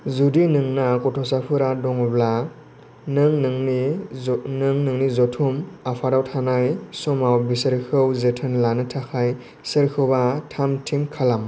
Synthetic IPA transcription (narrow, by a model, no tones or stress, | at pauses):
zudinɯŋnakɔtʰɔsapʰɯɾadɔŋɯbla | nɯŋnŋni | nɯŋnɯŋnizɔtʰumapʰaɾawtʰanajsɔmawbisɯɾkʰɯwzɯtʰɯnlanɯtʰakʰaj | sɯɾkʰɯwbatʰamtʰiŋkʰalam